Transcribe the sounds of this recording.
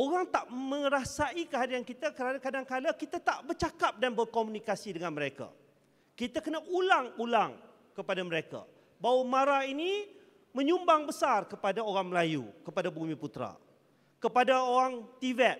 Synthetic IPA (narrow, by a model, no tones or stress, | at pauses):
oɾaŋt̪aʔmə̃ɾasaikəɦadiankit̪akəɾanakadaŋkalakit̪at̪aʔbərt͡ʃakap̚danbərkomũnikasidəŋanməɾeka̰ | kit̪akənaʔulaŋulaŋ | kəpadaməɾeka̰ | bawamaɾaini | mə̃ɲumbaŋbəsarkəpadaoɾaŋməlajṵkəpadabumĩput̪ɾa̰ | kəpadaoɾaŋt̪ivɛt̪̚